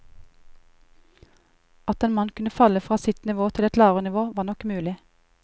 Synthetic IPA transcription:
ɑt̪eːnmɑnkʰʉnəfɑləfʁɑːsɪt̪nɪʋoːt̪ʰɪlɛt̪lɑːʋʁənɪʋoːʋɑːnɔkmʉːlɪ

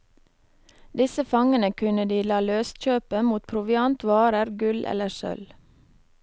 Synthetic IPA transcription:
d̪ɪsəfɑŋənəkʰʉnəd̪iːlɑːløːst̪c͡çøːpəmuːt̪̚pʰɾʊʋɪɑnt̪ʋɑːɾəɾɡʉlʔɛ̰ləsœ̰l

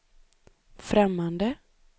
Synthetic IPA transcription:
fɾɛmːand̪ə

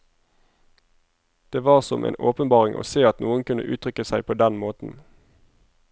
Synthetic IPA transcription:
d̪̥eːʋɑːʁsɔmʔḛːnʔoːpənbɑːʁɪŋʔo̰ːseːɑt̪nuːənkʉnə̰ʔʉ̰ːt̪ʰʁʏkəsæɪpʰoːd̪ɛnmoːt̪n̩

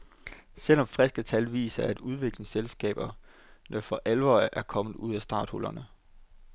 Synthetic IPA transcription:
sel̰ɒ̽mfʁɛsɡ̥ət͡sʰælʋḭːsɐæd̥uð̞ˠʋe̝ɡ̥leselsɡ̥ɛ̰ːb̥ɐ | nəfɒ̽ʔælʋɒ̰ːʔæɐkʰɒ̽mð̩ˠuð̞̰ˠæsd̥ɑ̈ːd̥hɔlɐnə

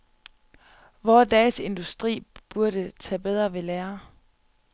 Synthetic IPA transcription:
ʋɒːd̥ɛːse̝nd̥usd̥ʁḭːb̥uɐɾ̥ət͡sʰɛ̰ːb̥eð̞ˠʁɐʋe̝læːɐ

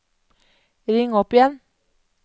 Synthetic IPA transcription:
ɾiŋɔpjan

